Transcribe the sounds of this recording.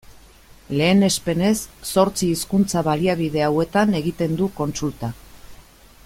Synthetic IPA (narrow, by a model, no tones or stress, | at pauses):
le̞ːne̞spe̞ne̞sːo̞ɾt͡siːskunt͡saβaliaβið̞e̞awe̞t̪ane̞ɣit̪e̞nd̪uko̞nsult̪a